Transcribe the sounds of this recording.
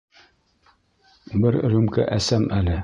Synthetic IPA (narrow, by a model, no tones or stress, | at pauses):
bɘɾɾʉmkæ̰ʔæsæmælɘ